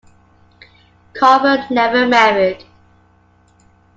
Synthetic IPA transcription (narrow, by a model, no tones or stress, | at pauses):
kʰɔvənnɛvəmɛɹɪd̥